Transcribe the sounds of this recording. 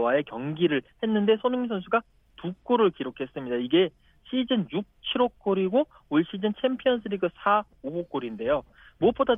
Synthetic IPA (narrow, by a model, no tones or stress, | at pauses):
wae̞kjʌŋɡiɾɯɭhe̞nːɯnde̞sʰonɯŋis̬ʰʌnsʰuɡa | tuk͈oɾɯɭkiɾokʰe̞s͈ɯmɲidaiɡe̞ | ɕʰid͡ʑɯnjuk̚t͡ɕʰiɾok͈oɾiɡo | uɭɕ͈id͡ʑɯnt͡ɕʰempʰijʌns̬ʰɯɾiɡɯsʰa | obok͈oɾinde̞jo | muʌp͈oda